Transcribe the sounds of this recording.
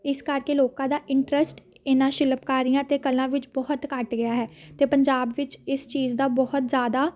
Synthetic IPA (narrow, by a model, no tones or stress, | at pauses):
ɪskəɾkeːloːkãːd̪aːʔɪ̃ɳʈɾəsʈ | ɪnãːʃɪləpkaːɾijãːt̪eːkəlãːʋɪt͡ʃbɔɦʊt̪kəʈɡɪjaːɦɛːt̪eːpəɲd͡ʒaːbʋɪt͡ʃɪst͡ʃiːzd̪aːbɔɦʊt̪zjaːd̪aː